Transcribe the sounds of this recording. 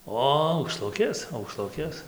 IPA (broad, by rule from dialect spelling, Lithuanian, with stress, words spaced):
ˈoː ɐʊkˈʃlˠʊkʲeːs ɐʊkˈʃlˠʊkʲeːs